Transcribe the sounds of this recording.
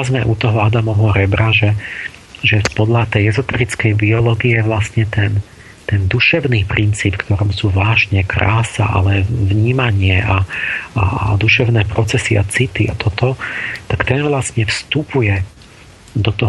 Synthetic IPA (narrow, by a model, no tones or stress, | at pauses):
azmɛʔut̪ɔɦɔad̪amɔɦɔɾɛbɾaʒɛ | ʒɛpɔd̪ʎat̪ɛjɛzɔt̪ɛɾit͡skɛjbiɔlɔːɡiɛʋlasɲɛt̪ɛn | t̪ɛnd̪uʃɛʊniːpɾint͡siːpfkt̪ɔɾɔmsuːʋaːʒɲɛkɾa̰ːsa̰ʔa̰lɛvɲiːmaɲɪɛʔaa̰ad̪uʃɛʊnɛːpɾɔt͡sɛsia̰t͡sit̪ia̰t̪ɔt̪ɔt̪akt̪ɛnʋlasɲɛfst̪upujɛ | d̪ɔt̪ɔ